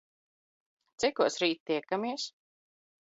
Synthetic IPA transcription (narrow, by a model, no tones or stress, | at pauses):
t̪sikuɔsɾiːt̪̚ːiɛkamiɛs